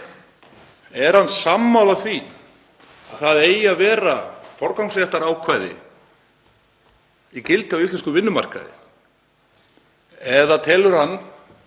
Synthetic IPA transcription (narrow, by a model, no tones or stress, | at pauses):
ɛɾ̥hansamːaːwlaθvi | a̰ðθaðeːjavɛːɾafɔɾkawŋsɛɛht̪aɾaːwkʰvajðɪ̰ | icɪlt̪ɪawisɛnskʏvɪnːʏma̰r̥ka̰ðɪ̰ | ɛðat̪ʰɛːlʏɾ̥hanː